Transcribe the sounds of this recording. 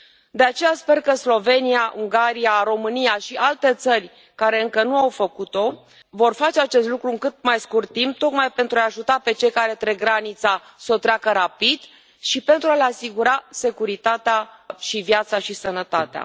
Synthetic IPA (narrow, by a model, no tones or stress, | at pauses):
d̪e̞at͡ʃe̞jaspe̞rkəslo̞ve̞nijaʔuŋɡaɾijaɾo̞mɨnijaʃiʔalt̪e̞t̪sərʲ | kaɾe̞ɨŋkənuawfəkut̪o̞ | vo̞rfat͡ʃe̞at͡ʃe̞st̪lukɾuɨŋkɨt̪̚majskurt̪ːimp̚t̪o̞kmajpe̞nt̪ɾuaaʒut̪ape̞t͡ʃe̞jkaɾe̞t̪ɾe̞ɡɾanit̪sa | so̞t̪ɾʲakəɾapid̪ | ʃipe̞nt̪ɾualeasiɡuɾase̞kuɾit̪at̪eaʃivjat̪saʃisənət̪at̪ea̰